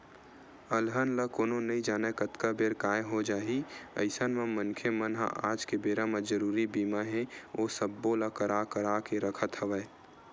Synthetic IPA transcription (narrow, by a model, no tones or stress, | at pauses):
əlɦənləkoːnonəĩd͡ʒaːnəkət̪kabeːɾkaːjɦod͡ʒaːɦiə̰ɪsənmamənkʰemənɦa̰ʔa̰ːd͡ʒkebeːɾaməd͡ʒəɾuːɾibiːmaɦɛ̃oːsəbːolakəɾakəɾakeɾəkʰət̪ɦəʋəe